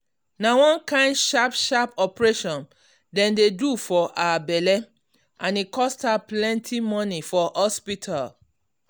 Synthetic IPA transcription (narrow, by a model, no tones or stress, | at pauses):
nawɔ̃nkãɪ̃ndʃapʃapɔpɹeʃɔ̃n | dɛ̃ndedufɔʔaabɛlɛ | ʔãnikʰɔstaplɛ̃ntʰimɔnifɔhɔspitʰal